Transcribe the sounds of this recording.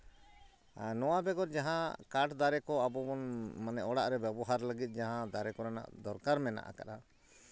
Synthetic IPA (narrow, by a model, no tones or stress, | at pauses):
nɔwabɛɡɔɾd͡ʒaɦãkaʈd̪aɾɛkɔabɔbɔnmanɛʔɔɽaʔɾɛbɛbɔɦaɾləɡit̪̚ˀd͡ʒaɦãd̪aɾɛkɔɾana̰ʔd̪ɔɾkaɾmɛna̰ʔa̰ka̰ɗa